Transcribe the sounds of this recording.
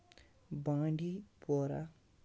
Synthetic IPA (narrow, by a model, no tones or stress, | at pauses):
bãːɳɖipoɾa